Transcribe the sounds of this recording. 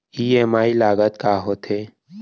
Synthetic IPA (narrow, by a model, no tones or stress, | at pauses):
iːeːmaːilaːɡət̪kaːɦot̪ʰɦeː